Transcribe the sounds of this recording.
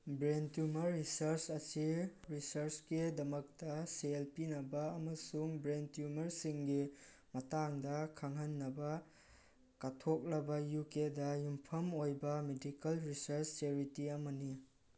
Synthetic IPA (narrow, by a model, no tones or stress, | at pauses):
bɾentjumɐɾːisɐɾsɐsiɾisɐɾsɡidɐmɐk̚tɐselpinɐbɐːmɐsuŋbɾentjumɐɾsiŋɡi | mɐtaŋdɐkʰaŋɦɐnːɐbɐ | kɐtʰok̚lɐbɐjukedɐjumpʰɐmojbɐmedikɐlɾisɐɾst͡ʃeɾitiɐmɐni